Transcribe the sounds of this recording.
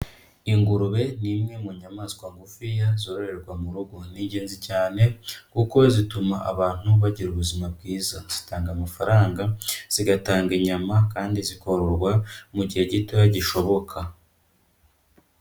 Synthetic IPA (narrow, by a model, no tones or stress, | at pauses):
iŋɡuɾuβe̞nimŋe̞muɲamaːzkwaŋɡufijazoːɾoɾe̞ɾɡwamuɾuɡoniːɟe̞ːnzicaːne̞kuko̞zitumaʔa̰βaːn̥huβaɟiɾuβuzimabɡiːzaz̥itaːŋɡamafaɾaːŋɡaz̥iɡataːŋɡiɲamakaːndiziko̞ɾoɾɡwamuɟihe̞ɟitojaɟiʃo̞βo̞kʰa